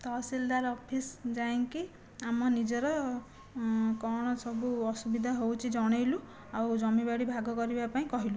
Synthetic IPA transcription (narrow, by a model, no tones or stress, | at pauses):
t̪ɔsild̪aɾɔpʰisd͡ʒaiŋki | amɔnid͡ʒɔɾɔ | kɔɽ̃ɔsɔbuɔsubid̪ʱaɦowt͡ʃʰid͡ʒɔɽ̃ejlu | awd͡ʒɔmibaɽibʱaɡɔkɔɾibapaĩkɔɦilu